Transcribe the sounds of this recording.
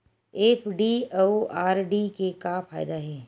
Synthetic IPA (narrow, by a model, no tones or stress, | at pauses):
eːpʰɖiooaːɾɖikekapʰaːjd̪aɦɛː